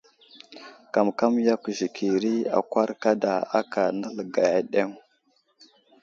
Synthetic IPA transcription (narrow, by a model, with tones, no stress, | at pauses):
ka˨mka˦mja˦kʒi˨kʰi˨ɾi˦a̰˨kʷa˦ɾka˦da˨a˦ka˨na˦lɡa˨ja˨ɗe˦m